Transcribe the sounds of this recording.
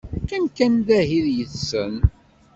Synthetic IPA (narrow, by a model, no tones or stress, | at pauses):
kæmkænðæhiðjəθsːən